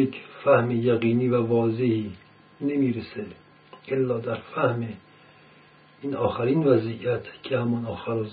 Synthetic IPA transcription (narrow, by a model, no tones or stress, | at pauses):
ekʰfæhmejæɣiːniːvævɒːzehiː | nemiːɾese | ʔelːɒːd̪æɾfæhme | iːnɒːxæɾiːnvæzijæt̪ʰcʰehæmɒnɒːxæɾɔz